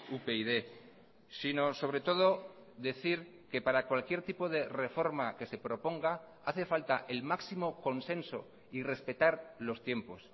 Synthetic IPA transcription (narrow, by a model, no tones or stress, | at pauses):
upeiðe̞ | sino̞so̞β̞ɾe̞t̪o̞ð̞o̞ | ðe̞θiɾ | ke̞paɾakwalkje̞ɾt̪ipo̞ð̞e̞re̞fo̞ɾmake̞se̞pɾo̞po̞ŋɡa | aθe̞falt̪aʔelmaksimo̞ko̞nsẽ̞nso̞̰ | ire̞spe̞t̪aɾlo̞st̪je̞mpo̞s